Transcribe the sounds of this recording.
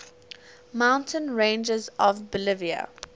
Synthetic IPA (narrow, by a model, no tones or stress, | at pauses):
mãʊ̃ntʰə̃nɹẽnd͡ʒəzɔvbəlɪviə̰